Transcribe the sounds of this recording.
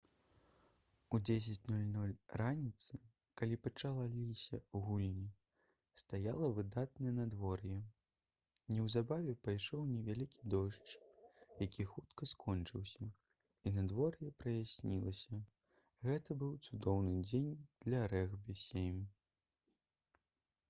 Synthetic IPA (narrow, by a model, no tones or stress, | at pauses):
ud͡zʲesʲɐt͡sʲnulʲnulʲranʲit̪sɨ | kalʲipɐt͡ʂalˠalʲisʲɐwɣulʲnʲi | st̪ajalˠɐvɨd̪at̪̚nɐjɛnɐd̪vɔrjɛ | nʲɛwzabavʲɛpajʂɔwnʲɛvʲalʲikʲid̪ɔʂt͡ʂjakʲʰixut̪kɐskʰɔnt͡ʂɨwsʲɐ | inɐd̪vɔrjɛpɾɐjasʲnʲilˠɐsʲɐ | ɣɛt̪ɐbɨwt̪sud̪ɔwnɨd͡zʲenʲd̪̥lʲɐɾɛɣbɨsʲemʲ